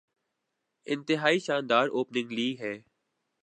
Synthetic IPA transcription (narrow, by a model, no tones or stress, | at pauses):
ɪ̃nt̪ɪɦaːiʃãːnd̪aːɾoːpnɪ̃ŋɡliːɦɛː